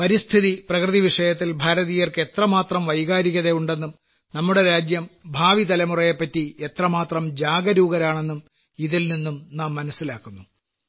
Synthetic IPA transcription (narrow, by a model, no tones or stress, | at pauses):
pɐɾist̪ʰiðiprɐkrɨðiʋiʂɐjɐt̪̬ːilbʱaːɾɐðijɐrke̞t̪rɐmaːt̪rɐmʋɐjɣaːɾikʲːɐðejuɳɖe̞nːum | nɐmːuɽe̞ɾaːd͡ʑjɐmbʱaːʋit̪ɐlɐmurɐjɐpːɐtːie̞t̪rɐmaːt̪rɐmd͡ʑaːɡɐɾuːɣɐɾaːɳe̞nːum | iðilninːumnaːmːɐnɐsːilaːkːunːu